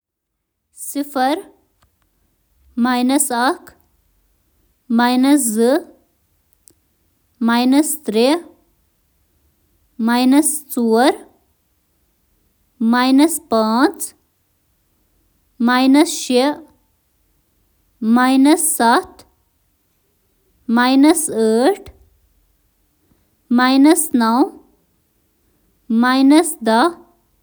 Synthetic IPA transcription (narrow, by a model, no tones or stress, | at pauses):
sifɐɾ | majnɐsakʰ | majnɐs̬zɨ | majnɐst̪ɾi | majnɐst͡suːɾ | majnɐspaːt͡s | majnɐsʃi | majnɐsːɐt̪ | majnɐsəːʈ | majnɐsnɐw | manɐsd̪ɐ